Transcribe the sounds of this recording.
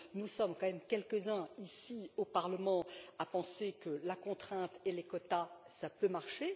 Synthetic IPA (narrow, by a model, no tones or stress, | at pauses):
nusɔmkɑ̃mɛmkʲɛlkəzɛ̃isiopaʁləmɑ̃apɑ̃sekəlakɔ̃t̪χɛ̃t̪elekɔt̪asapømaʁʃe